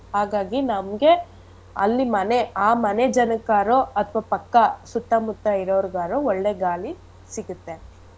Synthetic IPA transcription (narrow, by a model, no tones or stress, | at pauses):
haːɡaːɡinɐmɡe̞ | ɐ̰lːimɐneaːmɐned͡ʒɐnɐkaːɾoɐt̪ʰɐʋapɐkːɐsut̪ːɐmut̪ːɐiɾoːɾɡaːɾoɔɭːeːɡaːli | siɡut̪ːen